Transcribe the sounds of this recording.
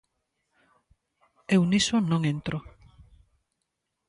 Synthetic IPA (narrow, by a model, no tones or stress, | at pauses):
ewnisʊnõŋent̪ɾo